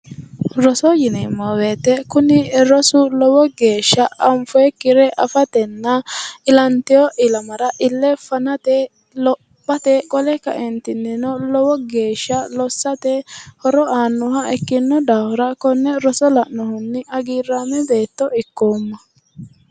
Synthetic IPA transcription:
ɾɔsɔjɪnɛmːoweːt̪ːɛkʊnɪɾɔsʊlɔwɔɡe̞ːʃːɐɐmfɔɛkːɪɾɛʔɐfɐt̪ɛnːɐɪlɐnt̪ɪjɔʔɪlɐmɐɾɐʔɪlːɛfɐnɐt̪ɛ | lɔ | bːɐt̪ɛkʼɔlɛkɐ̰ʔɛnt̪ɪnːɪnɔlɔwɔɡe̞ːʃːɐlɔsːɐt̪ɛhɔɾɔʔaːnːʊhɐɛkːɪnːɔd̪aːhʊɾɐkɔnːɛɾɔsɔlɐʔnɔhʊnːɪʔɐɡiːrːaːmɛbe̞ːt̪ːɔɪkːoːmːɐ

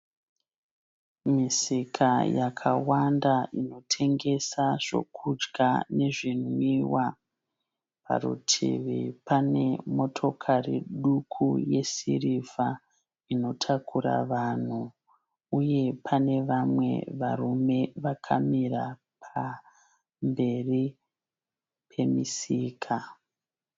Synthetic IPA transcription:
misikʰajakʰa̰wandaino̞tʰe̞ŋɡe̞saʐ̥o̞̰kʰud͡ʒɡane̞ʐin̤wiːwa | pʰa̰rṵtʰḭʋipane̞̰mo̞tʰo̞kʰarḭɗukʰuje̞siriva | ino̞tʰakʰuɾa̰ʋan̤u | uje̞pʰane̞ʋamwe̞̰ʋarume̞ʋakʰa̰miɾa | pʰa | mbe̞ri | pʰe̞misiːkʰa

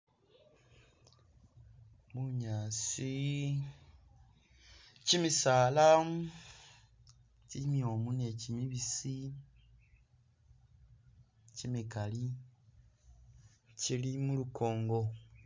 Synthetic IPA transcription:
βuɲaːsi | cimisaːlam | cimiomune̞cimiβisi | cimikali | cilimulukʰo̞ːŋɡo

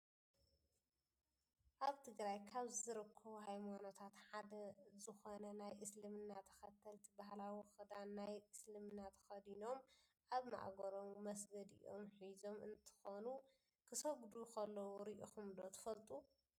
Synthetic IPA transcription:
ʔaβt̪ʰɨɡɾajkʰaβzzɨɾɨkʰːɐβuɦajmano̞t̪ʰat̪ħad̪ɐzɨxonɐnajʔɨslɨmɨnːat̪ʰɐ̥xɐt̪ʰːɐlt̪ʰibahlawixɨd̪anːajʔɨslɨmɨnːat̪ʰɐ̥xɐd̪ino̞m | ʔaβma̰ʔɡɐɾomːɐs̬ɡɐd̪ḭʔo̰mħizo̞mɨnt̪ʰɨ̥xonu | kʰɨsoɡd̪ukʰɐlːɐwuɾiʔixumd̪o̞t̪ʰɨ̥fɐlt̪ʼu

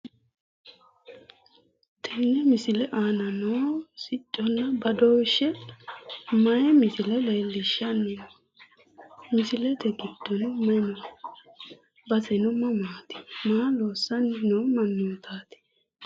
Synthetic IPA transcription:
t̪ʰɪnːɛmɪsɪlɛʔaːnɐnoːsɪt͡ʃʼːɔnːɐbɐd̪oːʃːɛ | mɐjɛmɪsɪlɛleːlːɪʃːɐnːɪ | mɪsɪlɛt̪ɛɡɪd̪̥ːɔnmɐjnɔ | bɐsɛnʊmːɐmaːt̪ɪ̥maːloːsːɐnnoːmɐnːʊt̪ʰaːt̪ɪ̥

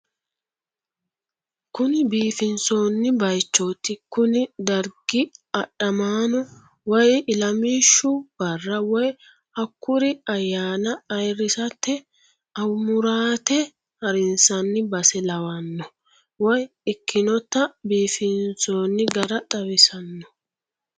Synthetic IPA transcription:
kʊnɪbiːfɪnso̞ːnːɪbɐjt͡ʃːoːt̪ːɪkʊnɪd̪ɐɾɡɪɐɗɐmaːnɔ | wɔjɪlɐmiːʃːʊb̥ɐrːɐwɔj | ʔɐkːʊɾɪɐjːaːnɐːjɾːɪsɐt̪ːɛ | ɐwmʊɾaːt̪ɛ | hɐɾɪnsɐnːɪbɐsɛlɐwɐnːɔ | wɔj | ɪkʰːɪnɔt̪ːɐbiːfɪnsoːnːɪɡɐɾɐt̪ʼɐwɪsɐnːɔ̥

